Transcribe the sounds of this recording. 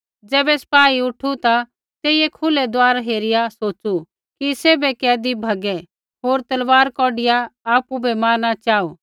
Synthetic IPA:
d͡zɛːbɛsɐ̥paːiʊʈʰut̪a | t̪eːɪjekʰʊlɛd̪ʊaːɾaɦeːɾɪjasoːt͡ʃu | kiseːbɛkɛːd̪ibʱɐɡɛ | ɦoːɾt̪ɐlʋaːɾkɔːɖɪjaːpubɛmaːɾnat͡ʃaːuː

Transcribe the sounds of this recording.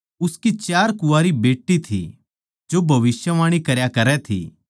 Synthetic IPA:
ʊskit͡ʃjaːɾkʊaːɾibeːʈːit̪ʰḭ | d͡ʒobʱɐʋɪsjəʋaːɽ̃ikɐɾjakɐɾɛt̪ʰḭː

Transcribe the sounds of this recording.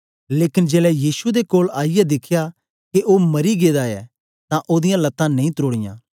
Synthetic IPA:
leːkɪnd͡ʒeːlɛjiːsud̪ekoːlaːijɛd̪ɪkʰja | keʔoːmɐɾiɡeːd̪aɛ | t̪ãʔoːd̪ɪjãlɐt̪ːãnɐ̃ĩt̪ɾoːɽɪjã̰ː

